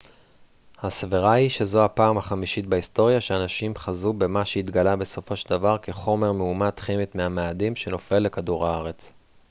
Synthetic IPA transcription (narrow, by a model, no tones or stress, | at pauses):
hasviʁahiʃe̞zo̞apaːmhaχamiʃit̪̚baisto̞ʁjaʃeanaʃimχazube̞maʃeit̪ɡalabe̞so̞fo̞ʃeld̪avaʁkeχo̞me̞ʁmeumat̪χimit̪meameadimʃeno̞fe̞lːe̞kaduʁaaʁe̞t͡s